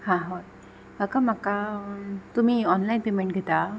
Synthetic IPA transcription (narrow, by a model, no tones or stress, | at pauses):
hãɦo | bʱakamaka | t̪um̤iːɔnlajnpemeɳʈɡʱet̪a